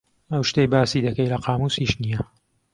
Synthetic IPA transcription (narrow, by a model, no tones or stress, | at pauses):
ɐwʃt̪ejbaːsiːd̪ɐkɐjlɐqɑːmuːsiʃnijɐ